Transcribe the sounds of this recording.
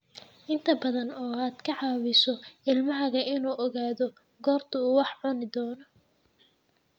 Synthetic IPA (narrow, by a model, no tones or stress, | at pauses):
ʔɪnt̪ʰɐbɐðɐnɔːaːd̪̥kʰɐʕɑːwɪsɔɪlmɐɦɐɣɐʔɪnuːʔɔɣaːðɔ | ɡɔːrt̪ʰɐuːwɑħʕʊnɪd̪ɔːnɔ